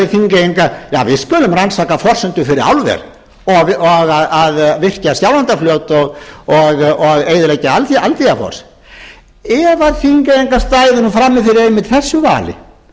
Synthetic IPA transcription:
ɪθiŋkeŋkaja̰ːvɪðskʏːlʏmransaːkafɔr̥sʏnt̪ʏfɪɾɪɾa̰wlvɛ̰ɾ | ɔɔɣaðaðvɪr̥casjawlant̪afljœt̪ɔɣɔɣɔðejðʏlejcaalθalt̪iafɔ̰r̥s | ɛvaɾθiŋkaeŋkast̪aːjðʏnufɾamːɪfɪɾɪɾejmːɪt̪θɛsːʏva̰ːlɪ̰

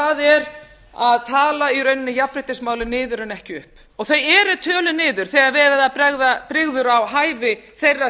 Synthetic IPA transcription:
aðɛɾ | aðt̪ʰaːlaiɾœɥjnɪnːɪjapɾɪt̪ɪsmaːwlʏnɪːðʏɾʏnɛhcɪʏhp | ɔɣθejɛɾʏt̪ʰœːlʏnɪːðʏɾ̥θɛɣaɾvɛːɾaðapɾɛɣðapɾɪɣðʏɾawɦaːjvɪθejrːa

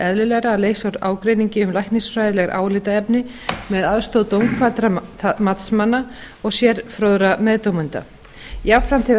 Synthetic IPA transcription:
ɛðlɪlɛɣɾaːleːjsawɾa̰ːwkɾejniɲcɪʏmlajhkt̪niŋsfɾajðɪlɛɣɾʔa̰ːwlɪt̪aɛpnɪ | mɛðaðst̪owðt̪owŋkʰfvaːt̪ɾamat̪smanːa | ɔɣsjɛɾfɾoðɾamɛðt̪owmʏnt̪a̰ | japfɾam̥t̪ʰɪ

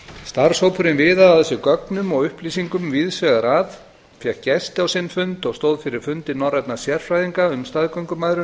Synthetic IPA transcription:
st̪aɾ̥sowpʰʏɾɪnvɪːðaawθɛsːʏkœknʏmɔɣʏhpliːsiŋkʏmviðsvɛɣaɾaːð | fjɛkcɛst̪ɪawsɪnːfʏnt̪ɔɣst̪oːwðfɪɾɪɾ̥fʏnt̪ɪɾnɔwrajt̪nasjɛr̥fɾajðiŋkaʏmst̪aːðkœɥŋkʏmajðɾʏ

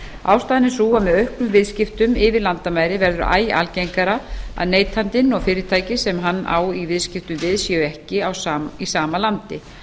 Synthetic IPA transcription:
aːwst̪aːjnɪnsuːɣamɛðœɥhklʏmvɪðscɪft̪ʏmɪvɪɾlant̪amaːjɾɪvɛɾðʏɾʔa̰ːjʔa̰lcejŋkaɾaa̰ðneːjt̪ʰhant̪ɪnɔɣfɪːɾɪɾt̪ʰaːjcɪsɛmɦanːa̰ːwivɪðscɪft̪ʏmvɪðsjɛʏɛhcɪawisaːmalant̪ɪ

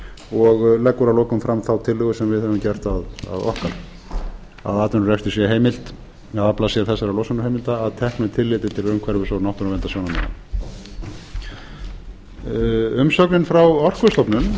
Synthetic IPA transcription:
ɔɣlɛkːʏɾalɔːkʏmfɾamθawt̪ʰɪlːʏɣʏsɛmvɪðhœvʏmcɛr̥t̪aða̰ðɔ̰hkaɾ | a̰ðaːt̪ʏɾrɛfst̪ɪsjɛɦeːjmɪl̥t̪ | aðaplasɛɾθɛsːaɾalɔwsanʏɾhejmɪlt̪aːðt̪ʰɛhknʏt̪ʰɪlːɪːt̪ɪt̪ʰɪlɾʏmkʰvɛɾðʏsɔwnawht̪ʏɾavɛnt̪asjɔːwnamɛ̰na̰ | ʏmsɔknɪnfɾawɔr̥kʏst̪ɔpnʏn

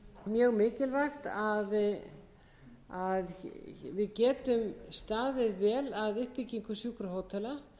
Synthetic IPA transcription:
mjœːɣmɪːcɪlvajxt̪að | aðvɪðcɛːt̪ʏmst̪aːðɪðvɛːlaðʏhpicːiŋkʏsjuːkɾʏɦoːwt̪ʰɛla

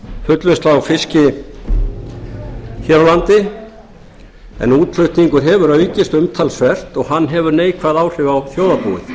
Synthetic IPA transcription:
fʏt̪lvest̪laafɪscɪ | çɛɾawlant̪ɪ | ɛ̰nuːt̪l̥ʏɥht̪niŋkʏɾɦɛvʏɾœːɥcɪst̪ʏmt̪ʰalsvɛr̥t̪ɔɣhanːɦɛvʏɾneːjkʰvaðaːwr̥ɪvawθjoːwðapṵwɪ̰θ

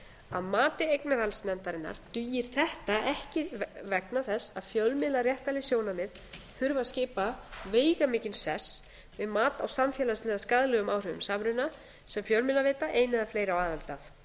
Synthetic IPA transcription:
aðmaːt̪ɪejknaɾ̥halsnɛnt̪aɾɪnːa̰ɾ̥t̪yjɪɾ̥θɛht̪aʔɛhcɪvɛknaθɛsːaðfjœlmɪlarjɛht̪alɪsjoːwnamɪð | θʏɾvascɪːpaveːjɣamɪːcɪnsɛs | vɪðmaːt̪awsamfjɛlaslɛːðaskaðlɛɣʏmaːwr̥ʏvʏmsaːmɾʏnːa | sɛmfjœlmɪlaveːt̪aʔejnɪðafleːjɾawaːðalt̪af

